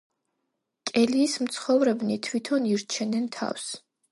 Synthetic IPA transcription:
kʼɛliːsmt̪sʰχɔvɾɛbnit̪ʰwit̪ʰɔniɾt͡ʃʰɛnɛnt̪ʰa̰fs

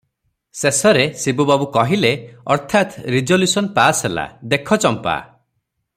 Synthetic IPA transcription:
sesɔɾesibubabukɔɦileɔɾt̪ʰat̪ɾid͡ʒɔljusɔnpasɦela̰d̪ekʰɔt͡ʃɔmpa̰

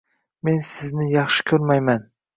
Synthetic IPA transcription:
me̞nsɪznɪjɑχʃɪ̥kʲʰɵɾmajman

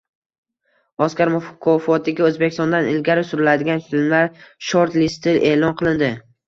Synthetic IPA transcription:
ɒskʲaɾmʊfkʰɒfɒt̪ʰɪɡʲaɵzbekʲɪ̥st̪ɒnd̪anɪlɡʲaɾɪsʊɾɪlad̪ɪɡʲanfɪlmlaɾʃoɾt̪lɪst̪ʰɪlʔeːlˠɒnqʰɨlˠɪnd̪ɪ

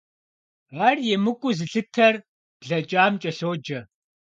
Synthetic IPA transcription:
aːrjɛmɨkʷʼʊzɨɬɨtʰɐr | b̥ɮɐt͡ʃʼaːmt͡ʃʼɐɬoːd͡ʒɐ

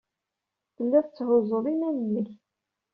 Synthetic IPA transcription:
θəlːæθət͡sːhʊzˤəðˤinænənːəç

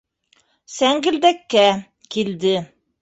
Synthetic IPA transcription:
sæŋɡɘ̆ld̪ækːæ | kild̪ɘ

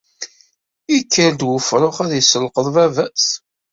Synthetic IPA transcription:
ikːəɾd̪wəfɾˤoχæðjəsəlqəðˤvævæs

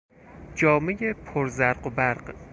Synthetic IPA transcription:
d͡ʒɒːmejepʰoɾzæɾɢobæɾɢ

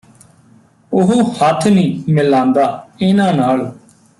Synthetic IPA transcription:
ʊɦohət̪ʰnĩːmɪlãːnd̪aːɪnãːnaːl

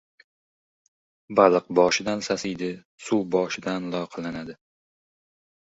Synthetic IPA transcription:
balˠɨq̚bɒʃɪd̪ansasɪjd̪ɪ | suwbɒʃɪd̪anlˠɒqʰɑlanad̪ɪ

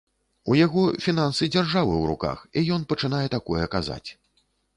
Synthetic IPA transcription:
ujaɣɔfʲinansɨd͡zʲarʐavɨwɾṵka̰xijɔnpɐt͡ʂɨn̪ajɛt̪akɔjɛkaza̰t͡sʲ

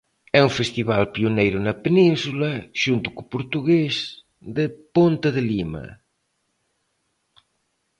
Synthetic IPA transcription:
ɛũfest̪iβalpiunejɾʊnɐpenĩnsulɐʒ̥unt̪ukupuɾt̪uɣes | d̪epont̪ɐðelimɐ̰

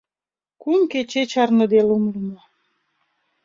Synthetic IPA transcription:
kumket͡ɕet͡ɕɑrnə̆d̪elumlumo

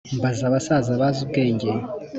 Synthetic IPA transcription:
mbazaβasaːzaβazubɡe̞ːɲɟe

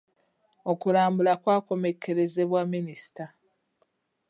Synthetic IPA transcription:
o̞kulaːmbulakwaːko̞me̞kʰːe̞ɾe̞ze̞βwamːinisi̥ta

